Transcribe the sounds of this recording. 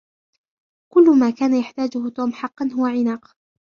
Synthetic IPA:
kʊlːʊmaːkaːnajaħt̪aːd͡ʒʊhʊt̪uːmħɑqːɑnɦʊwaʕɪnaːq

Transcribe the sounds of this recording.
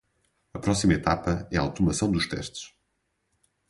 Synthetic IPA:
ɐpɾɔsimɐet̪apɐɛa̰wt̪umɐsɐ̃w̃d̪uʃt̪ɛ̰ʃt̪ɨ̥ʃ

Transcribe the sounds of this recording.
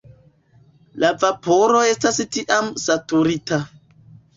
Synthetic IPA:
lavapoɾo̞e̞stastiʔamsatuɾita

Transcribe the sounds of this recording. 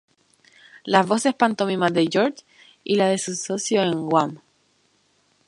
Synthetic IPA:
lazβo̞se̞hpant̪omimaðeʝoɾt͡ʃ | ilaðe̞susosjoeŋɡwam

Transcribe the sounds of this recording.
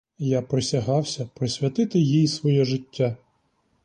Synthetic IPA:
japɾɪsʲɐɦɑwsʲɐpɾɔsʲʋʲɐt̪ɪt̪ɪjijsʋɔjɛʒɪtʲːa

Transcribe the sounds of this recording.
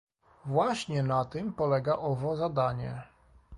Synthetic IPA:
vwaɕɲɛnat̪ɘmpɔlɛɡaʔɔvɔzad̪aɲɛ

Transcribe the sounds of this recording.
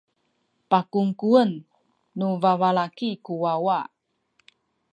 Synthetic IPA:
pakuŋkuənː | uvavalakikuwawaʔ

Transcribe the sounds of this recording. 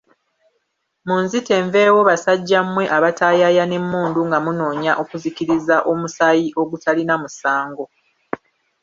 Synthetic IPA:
munzite̞ːɱve̞ːwo̞βasaɟːamwe̞ʔaβataːjajane̞mːuːnduŋɡamuno̞ːɲaʔo̞kuziciɾizaʔo̞musajiʔo̞ɡutalinamusaːŋɡo̞

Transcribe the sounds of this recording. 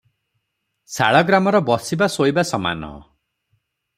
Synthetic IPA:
sa̰ɭɔɡɾamɔɾɔbɔsibasoibasɔma̰nɔ̰

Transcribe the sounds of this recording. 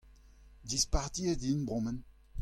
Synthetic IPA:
dispaʁd̪iedinbʁɔ̃mɛn

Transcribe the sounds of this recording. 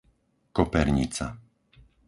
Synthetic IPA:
kɔpɛɾɲḭt͡sa̰

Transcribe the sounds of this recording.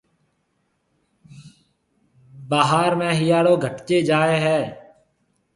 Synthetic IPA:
baːɦaːɾmẽːɦɪjaːɽoːɡʱəʈt͡ʃeːd͡ʒaːeːɦɛː

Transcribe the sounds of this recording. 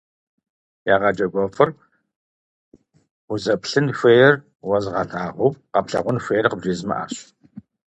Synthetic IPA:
jaːʁɑd͡ʒʼɐɡʷɔfɐr | ʊzɐpɬɨnfʷeːjɛr | wɐzʁɐtʰaːʁʷʊpqɐpɬɐ̰ʁʷʊnfʷeːjrqəbʒeːzmɐ̰ʔa̰ːɕ

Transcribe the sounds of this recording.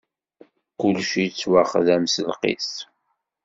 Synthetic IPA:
kʊlʃit͡sːwaχðæmsəlqḭs

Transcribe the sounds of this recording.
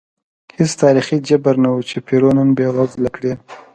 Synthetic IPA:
hɪst̪ɑɾixid͡ʒabaɾnawut͡ʃepʰiɾonənbewazlakɽe

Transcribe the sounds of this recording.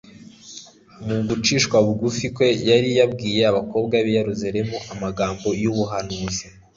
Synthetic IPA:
muɡut͡ʃiːʃkwaβuɡufikwe̞jaɾijabɡiːje̞aβako̞ːbɡaβejeɾuzaɾe̞muʔamaɡaːmbo̞juβuɦanuːzi

